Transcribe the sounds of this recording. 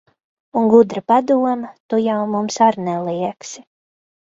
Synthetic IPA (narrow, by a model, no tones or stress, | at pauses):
uŋɡud̪ɾapad̪uɔmɐt̪ujawmumsaɾnɛlˠiɛksi